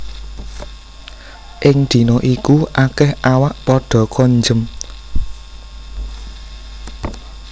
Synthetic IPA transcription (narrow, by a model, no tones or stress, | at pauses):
ʔɪŋd̪̥i̤noʔikuʔakɛhawaʔpɔɖ̥ɔ̤kʰɔɲd͡ʒəm